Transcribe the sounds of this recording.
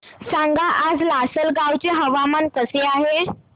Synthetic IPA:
sãŋɡaʔad͡zlasəlɡawt͡seɦəʋamank̪əseaɦe

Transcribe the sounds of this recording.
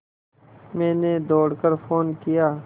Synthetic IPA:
mɛ̃ːneːd̪oːɽkəɾfʰoːnkijaː

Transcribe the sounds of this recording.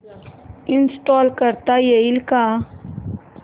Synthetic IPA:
insʈoːlkəɾt̪ajeilkaː

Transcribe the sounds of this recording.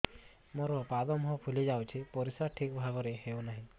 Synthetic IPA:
moɾɔpad̪ɔmɦɔpʰulid͡ʒawt͡ʃʰipɔɾisaʈʰikbʱabɔɾeɦewnaɦĩ

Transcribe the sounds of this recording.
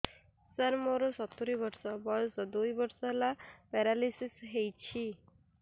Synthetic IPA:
səɾmoɾosɔt̪uɾiʋəɾsɔbɔɭsəd̪oibəɾsalapɛɾalisisɦejt͡ɕʰi

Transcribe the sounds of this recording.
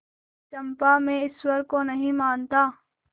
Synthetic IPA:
t͡ʃɐ̃mpamẽɪswɐɾkonɐɦĩmaːnt̪aː

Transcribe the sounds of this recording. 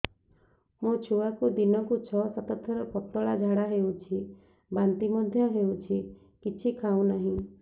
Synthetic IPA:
mũt͡ʃʰuakud̪inɔkut͡ʃʰɔsat̪ɔt̪ʰɔɾɔpɔt̪ːɔɭad͡ʒʱaɽaɦewt͡ʃʰi | bant̪imɔd̪ʱjɔɦewt͡ʃʰi | kit͡ʃʰikʰaw̃naɦĩ

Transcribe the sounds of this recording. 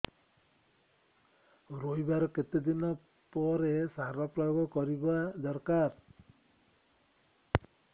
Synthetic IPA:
ɾojbaɾɔket̪ed̪inɔ | pɔɾesaɾɔpɾajɡɔkɔɾibad̪ɔɾkaɾ

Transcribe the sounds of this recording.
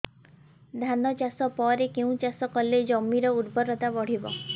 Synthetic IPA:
d̪ʱanɔt͡ʃasɔpɔɾekeũt͡ʃasɔkɔled͡ʒɔmːiɾɔud̪bɔɾɔt̪abɔɽ̤ibɔ̰

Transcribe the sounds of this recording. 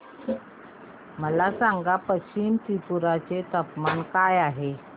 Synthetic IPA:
məlasaŋɡapəɕimt̪ipuɾat͡set̪əpmankajaɦe

